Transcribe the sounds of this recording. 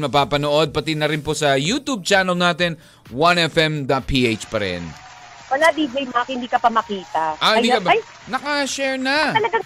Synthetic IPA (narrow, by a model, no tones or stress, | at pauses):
mɐpaːpɐnoʔo̞d̪̚pɐt̪ɪnɐɾɪnposɐjuːt̪ub̚t͡ʃanɐlnaːt̪ɛn | wɐnɛfɛmd̪ɐt̪̚pʰiːʔejt͡ʃpɐɾɛ̰n | wɐlad̪iːblɐjmakhɪnd̪iːkɐpɐmɐkiːt̪ɐʔɐɐj̪iɐb | nɐkɐʃɛɹnɐt̪ɐlɐɡa